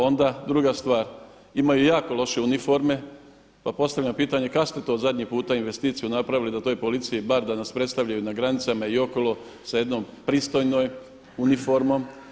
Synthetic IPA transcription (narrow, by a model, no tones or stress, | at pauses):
o̞nd̪ad̪ɾuɡast̪ʋaːɾ | imajujaːko̞lo̞ʃe̞unifo̞ɾme̞ | papo̞st̪aʋʎampiːt̪aɲe̞kakst̪et̪o̞ːd̪zad̪ʲɲipuːt̪ainʋe̞st̪iːt̪sijunapɾaʋilid̪at̪ojpo̞lit̪sijibaɾd̪anaspɾet̪st̪aʋʎajunaɡɾanit̪samaio̞ko̞lˠo̞ | saje̞d̪nom | pɾiːst̪o̞jno̞j | unifoɾmo̞m